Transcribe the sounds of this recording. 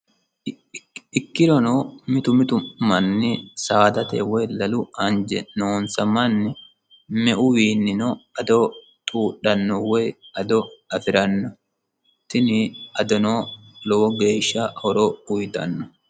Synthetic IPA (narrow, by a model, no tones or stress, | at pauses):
ɪkːɪɾɔnoːmɪt̪ʊmɪt̪ʊmɐnːɪsaːd̪ɐt̪ḛwɛjlɐlʊɐnd͡ʒɛ̰noːnsɐmɐnːɪ | mɛʔʊwiːnːɪnoːɐd̪oː | t̪ʼuːɗːɐnːɔwɛjɐd̪ɔɐfɪɾɐnːɔ | t̪ɪnɪɐd̪ɔnoː | loːɡe̞ːʃːɐʔɔɾoʊjt̪ɐ̰nːɔ